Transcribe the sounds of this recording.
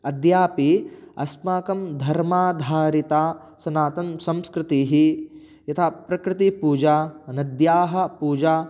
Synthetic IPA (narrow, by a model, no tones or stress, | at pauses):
ɐd̪jaːpiɐ̰smaːkɐmd̪ʱɐɾmaːd̪ʱaːɾit̪aː | sɐnaːt̪ɐnsɐ̃mskɾɪt̪iːɦi | jɐt̪ʰaːpɾɐkɾɪt̪ipuːd͡ʒaːnɐd̪jaːɦɐ̆puːd͡ʒaː